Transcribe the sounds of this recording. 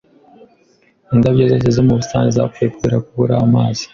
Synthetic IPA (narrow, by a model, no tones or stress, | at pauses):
indabɟeːɾecezemuβustaːneza̰kuekiɾakuβuɾaːmaːzi̥